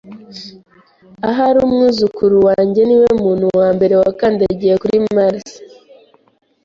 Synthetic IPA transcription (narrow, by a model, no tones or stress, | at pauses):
aɦaɾumŋuːzukuɾuwaːɲɟe̞niwemuːn̥huwaːmbe̞ɾe̞wakaːndaɟijekuɾimaɾsi̥